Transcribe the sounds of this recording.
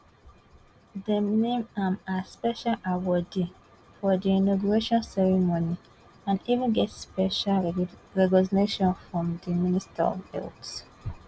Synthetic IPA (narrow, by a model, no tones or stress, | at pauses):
dənẽmãmaspɛʃalʔawɔdĩ | fɔdiinɔɡuɹeʃɔ̃nsɛɹimoni | ãnivĩnɡɛtspɛʃalɹɛɡɔsneʃɔ̃nfɹɔ̃mdiministʰa̰ɔ̰vɛ̰lts